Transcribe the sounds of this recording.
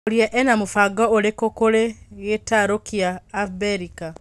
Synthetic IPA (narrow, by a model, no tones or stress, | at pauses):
oɾiɛʔɛnamofaɡɔoɾekokoɾeɣetaɾokiaːbɛɾika